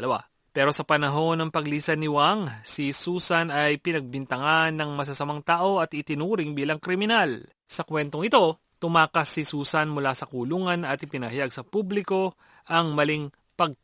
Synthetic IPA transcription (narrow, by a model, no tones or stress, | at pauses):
lɐwa̰ | pɛːɾo̞sɐpɐnɐɦo̞nɐŋpɐɡliːsɐnɪwaŋsisuːsɐnɐjpɪnɐɡ̚bɪnt̪ɐŋanːɐŋmɐs̬ɐsɐmaŋt̪aːʔo̞ɐt̪ɪt̪ɪnuːɾɪŋbiːlɐŋkɾɪmɪnal | sɐkwɛnt̪oŋɪt̪o̞ | t̪ʊmaːkɐsːɪsuːsɐnmʊlasɐkuluːŋɐnɐt̪ɪpɪnɐhajaɡ̚sɐpublɪko̞ | ʔɐŋmɐliŋ | pɐɡ̚